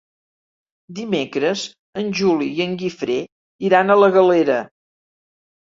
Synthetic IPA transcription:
d̪imekɾəz | ənʲʒuliiəŋɡifɾe | iɾanələɣəleɾə

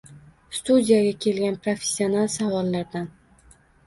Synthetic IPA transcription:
st̪ud̪ʲijaɡʲakʲʰe̞lɡʲanpɾofʲesʲːionalˠsavɒlˠːaɾd̪an

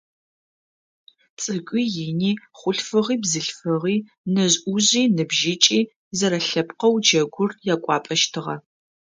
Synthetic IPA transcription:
t͡sʼɨkʷʼiːjɪniːχʷʊɬfɨʁiːbzɨɬfɨʁiː | nɐʑʔuʑiːnɨbʒɪt͡ʃʼiː | zɐɾɐɬɐpqɐwd͡ʒɐɡʷʊrjaːkʷʼɑːpʼɐʃtʰɨʁɐ

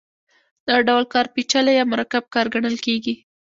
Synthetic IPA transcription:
d̪̥ɑɖawlkɑɾpit͡ʃalajɑmʊɾɑkab̚kɑɾɡaɳəlkeɡi

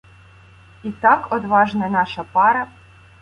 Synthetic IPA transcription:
it̪ɑkɔd̪ʋɑʒnɐnɑʃɐpɑɾɐ

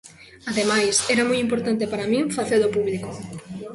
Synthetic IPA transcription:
aðemajsɛɾamujimpoɾt̪ant̪epaɾamĩŋfaθeɾðopuβliko

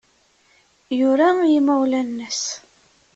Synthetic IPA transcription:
jʊɾæjimæwlænːəs

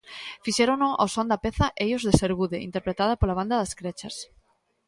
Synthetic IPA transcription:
fiʃeɾonoʔa̰wsond̪apeθaʔejozðeseɾɣuðeḭnt̪eɾpɾet̪að̞apolaβ̞and̪aðaskɾet͡ʃas

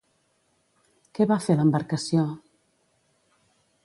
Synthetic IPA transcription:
kɛβafeləmbəɾkəsio

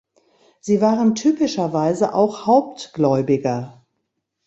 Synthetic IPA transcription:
z̥iːvaːʁəntʰyːpɪʃɐvaɪzəʔa̰ʊxhaʊp̚tɡ̥lɔʏbɪɡɐ

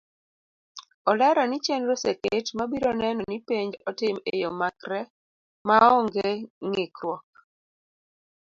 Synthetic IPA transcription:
ɔlɛɾɔnɪt͡ʃɛnɾoseketmabiɾɔnɛnɔnipeɲd͡ʒɔtɪmḛjomakɾɛ | maɔŋɡeŋɪkɾwɔk̚

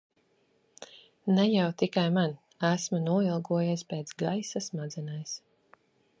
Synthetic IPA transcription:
nɛjawt̪ikajman | æsmanuɔilˠɡuɔjaspeːt̪sɡajsasmad̪zɛnajs

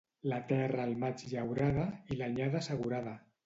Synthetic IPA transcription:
lat̪ɛraːlˠmat͡ʃʎawɾaðailaɲaðasəɣ̞uɾaða

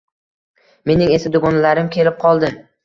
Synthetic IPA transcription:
me̞nɪŋe̞sɪd̪ʊɡɒnalaɾɪmkʲʰe̞lɪp̚qʰɒlˠd̪ɪ

